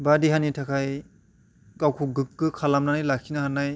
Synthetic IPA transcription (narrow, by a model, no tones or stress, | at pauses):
badiɦanitʰakʰaj | ɡawkʰuɡɯkːɯkʰalamnanajlakʰinaɦanaj